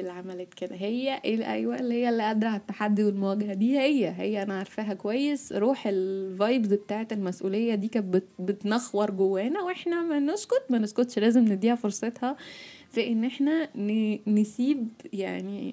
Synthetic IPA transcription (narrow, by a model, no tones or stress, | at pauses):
elʕamælæːt̪ked̪æɦejːæʔeʔæ̰jwæʔelːihejːælːiːʔæd̪ɾˤɑʕet̪ːaħad̪ːiwelmowæɡæhæd̪iːhejːæɦejːæʔænæʕɑɾˤfæːɦækowæjːesɾuːħelvɑjbzbet̪aːʕet̪elmæsʔuːlejːæd̪iːkæːbet̪bet̪nɑxwɑɾˤɡowːæːnæweħnæmænoskot̪mæneskot̪ʃlæːzemned̪iːʕfoɾˤsˤet̪hɑ | fæʔenːʔeħnænenesiːbjaʕni